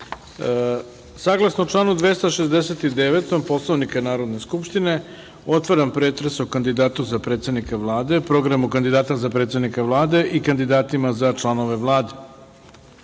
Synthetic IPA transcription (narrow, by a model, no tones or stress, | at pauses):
saɡlˠasnot͡ʂlˠaːnud̪ʋe̞st̪aʃezd̪ese̞t̪id̪eʋet̪o̞mpo̞slˠoʋnikanaːɾod̪ne̞skupʃt̪ine̞ | o̞t̪ʋaɾampɾeːt̪ɾesokand̪id̪aːt̪uzapɾet̪sed̪nikaʋlˠaːd̪e̞pɾo̞ɡɾamukand̪id̪aːt̪azapɾet̪se̞d̪nikaʋlˠaːd̪e̞ʔikand̪id̪aːt̪imazat͡ʂlanoʋe̞ʋlˠaːd̪e